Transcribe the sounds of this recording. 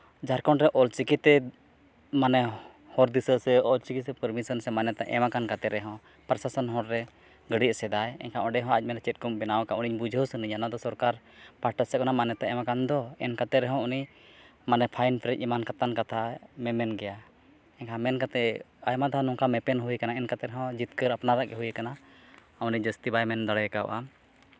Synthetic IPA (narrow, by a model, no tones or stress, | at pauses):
d͡ʒaɾkɔnɾɛʔɔlt͡ʃikit̪ɛ | manɛ | hɔɾd̪isəsɛɔlt͡ʃikisɛpəɾmisɔnsɛmanɛt̪aʔɛmakankat̪ɛɾɛɦɔ̃ | pəɾsasɔnɦɔɾɾɛ | ɡəɽisɛd̪ajɛ̰ɲkʰaʔɔɖɛɦɔ̃ac̚ˀmɛnɾɛt͡ʃɛt̪̚kɔmbɛnawkauniɲbud͡ʒʱəwsəniɲanad̪ɔsɔɾkaɾ | paɾʈasɛkanamanɛt̪aʔɛmakand̪ɔɛnkat̪ɛɾɛɦɔ̃unimanɛpʰajnpɾɛc̚imankat̪ankat̪ʰamɛmɛnɡɛja | ɛnkʰamɛnkat̪ɛajmad̪aɦanɔŋkamɛpɛnɦujkanaɛnkat̪ɛɾɛɦɔ̃d͡ʒit̪kəɾapnaɾaʔɡɛɦujɛkana | uniɲd͡ʒəst̪ibajmɛnd̪aɽɛkaw̰ʔam